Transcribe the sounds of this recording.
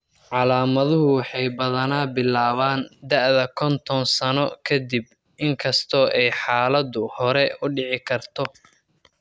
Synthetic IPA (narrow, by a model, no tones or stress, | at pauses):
ʕɑlaːmɐðʊɦʊwɑħɑjbɐðɐnaːbɪlːaːβaːnd̪ɐʕðɐkʰɔnt̪ʰɔnsɐnɔkʰɐd̪ib̚ | ʔɪŋkʰɐst̪ʰɔːʔɛjħaːlɐd̪ʊhɔɾɛʊɖɪʕɪkʰɐrt̪ʰɔ